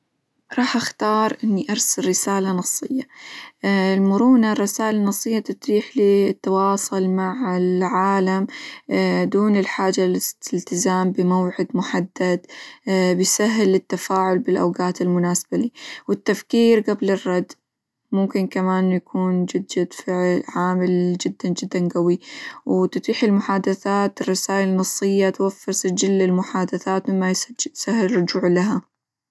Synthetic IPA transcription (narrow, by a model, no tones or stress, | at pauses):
ɾˤɑːħʔaxt̪ɑːɾˤʔɪnːiʔɑɾˤsalːɪsaːlanɑsˤːɨjːa | ɪlmʊɾuːnarːɪsaːʔɪlanɑsˤːɨjːat̪ɪt̪ɾiːħliːt̪ːɑwɑːsˤʊlmaʕɪlʕaːlam | d̪uːnɪlħaːd͡ʒalɪɪlt̪ɪzaːmbɪmawʕɪd̪mʊħad̪ːad̪bɪsaɦːlːɪt̪ːafaːʕʊlbɪlʔawɡaːt̪ɪlmʊnaːsbaliwɪt̪ːafkiːɾɡablɪrˤːɑd̪ | mʊmkɪnkamaːnjakʰuːnd͡ʒɪd̪d͡ʒad̪fɪʕlʕaːmɪld͡ʒɪd̪ːand͡ʒɪd̪ːanɡawiwt̪t̪ˤiːħɪlmʊħaːd̪aθaːt̪ɪrˤːɑsaːjɪlnɑsˤːɨjːat̪wafːɪɾsad͡ʒɪlːɪlmʊħaːd̪aθaːt̪mɪmːajsahːɪlrˤːʊd͡ʒuːʕlaɦa